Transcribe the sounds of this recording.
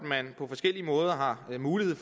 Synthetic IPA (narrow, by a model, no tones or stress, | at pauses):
mænpʰɒ̽fɒ̽sɡ̥el̰iəmɔ̽ːð̞ˠɐɦɑ̈muːlihe̝ð̰ˠf